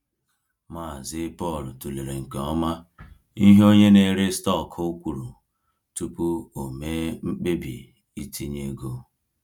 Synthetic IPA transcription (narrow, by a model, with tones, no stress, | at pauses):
maː˦˨zɪ˦pɔ˦˨ltu˨le˨ɾe˨ŋ̩˨ke˨ɔ˦ma˦ | i˦ɦo˦ɲe˦ne˨ɾe˦stɔ˦˨kʰo˦kʷu˨ɾu˨ | tu˦pu˦o˨me˦m̩˦k͡pe˦bḭ˨ | i˨tʰi˦ɲe˦ɡo˦